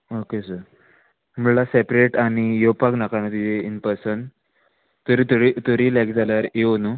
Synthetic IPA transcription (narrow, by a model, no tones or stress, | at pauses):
okesəɾ | m̤uɭlasepɾeʈaɽ̃ijopaknakanət̪id͡zeinpəɾsən | t̪oɾit̪oɾit̪oɾiːlekd͡zalaɾeonu